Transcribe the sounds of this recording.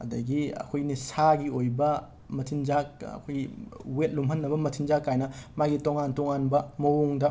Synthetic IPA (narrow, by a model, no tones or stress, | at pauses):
ɐ̰dɐɡiɐ̰kʰojnisaɡiojbɐ | mɐtʰind͡ʒak̚ɐ̰kʰojɡiwet̚lumɦɐnːɐbɐmɐtʰind͡ʒakːajnɐmaɡitoŋantoŋanbɐmɐwoŋdɐ